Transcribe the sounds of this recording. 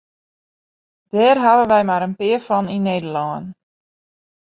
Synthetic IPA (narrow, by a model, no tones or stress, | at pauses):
d̥ɛːrɦaʋənʋɛjmaɾənpɪərfɔnineːdəlɔːən